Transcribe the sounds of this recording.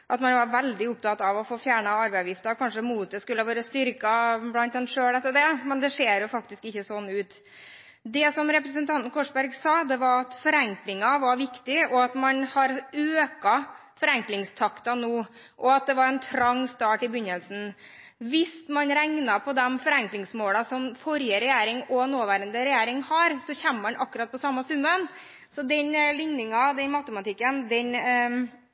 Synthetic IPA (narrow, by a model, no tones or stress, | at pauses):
ʔɑt̪mɑnʋɑɾʋɛld̪ɪʊp̚t̪ɑt̪ɑʋɔfoːfjæːɳɑɑɾbɛɪɑʋjɪft̪əɾkʰɑnʂəmuːt̪̚d̪ɛskʉlːəʋɑːɾəst̪ʏɾkɑblɑnt̪̚d̪ɛnʂøːɽɛt̪ːəɖɛmɛnd̪ɛʂeːɾjʊfɑkt̪ɪskɪçːəsɔnːʉːt̪ | d̪ɛsɔmɾɛpɾəs̬ənt̪ʰɑnt̪nkʰɔʂbæɾɡsɑːd̪ɛʋɑɾɑt̪fɔɾɛŋklɪŋɑʋɑɾʋɪkt̪ɪɔɑt̪mɑnhɑɾøːkɑ | fɔɾɛŋklɪŋst̪ʰɑkt̪ɑnoː | ʔɔɑt̪̚d̪ɛʋɑɾɛnt̪ʰɾɑŋːst̪ɑːʈɪbʏɲːəlsn̩ | ʋɪst̪mɑnɾæŋnɑpʰɔd̪ɛmfɔɾæŋklɪŋsmoːlɑsɔmfɔɾjəɾɛjæːɾɪŋɔnoːʋæːɾənd̪əɾɛjæːɾɪŋhɑɾsɔçæmːəmɑnʔɑkːʉɾɑt̪̚pɔsɑmːɑsʉmːən | sɔd̪ɛnlɪɲnɪŋɑd̪ɛnmɑt̪əmɑt̪ʰɪkːənd̪ɛn